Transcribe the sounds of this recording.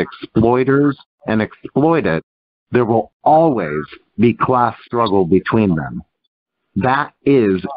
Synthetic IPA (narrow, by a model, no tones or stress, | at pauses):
ɨksplɔɪɾə˞z | ɨ̃nɨksplɔɪɾɪt̪̚ | ðə˞wɪlˠɔlˠwiz | bikʰl̥æstɹ̥ʌɡl̩̚ˠbɨtʰw̥ĩnðɨ̰̃m | ðəɾɪz